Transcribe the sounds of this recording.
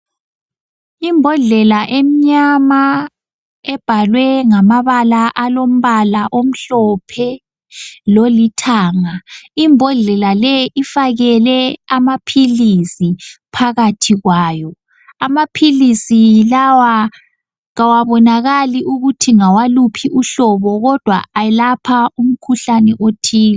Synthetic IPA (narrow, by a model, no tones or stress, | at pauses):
imbʱɔɮɛlaʔem̩ɲama | ɛb̥ʱalwɛŋamaβalaʔalom̩βalaʔom̩ɬɔpʰɛ | lolitʰaːŋaimbʱɔɮɛlalɛʔifaɣɛlɛamapʰilisipʰaɣatʰiɣwaːjɔ | amapʰilisilawa | ɣawaβɔnaɣaliʔuɣutʰiŋawalupʰiʔuɬɔβɔɣɔd̥ʱwa̰ajɛlapʰaum̩kʰuɬanɛʔotʰiːlɔ